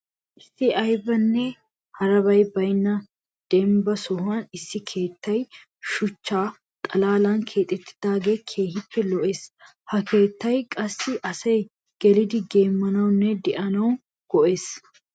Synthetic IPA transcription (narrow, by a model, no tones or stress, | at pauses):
ʔɪsːɪɐjbɐnːɛ | hɐɾɐbɐjbɐjnːɐ | d̪̥ɛmbɐsɔhɐnɪsːɪkʰe̞ːt̪ːɐj | ʃʊt͡ʃːaː | t̪ʼɐlaːlɐnkʰe̞ːt̪ʼɛt̪ːɪ̥d̪̥aːɡe̞ːkʰe̞ːhɪpːɛlɔʔe̞ːs | hɐke̞ːt̪ːɐjkʼɐsːɪʔɐsɐj | ɡ̥ɛlɪd̪ɪɡe̞ːmːɐnɐwnːɛd̪ɪʔɐnɐw | ɡ̥ɔʔe̞ːs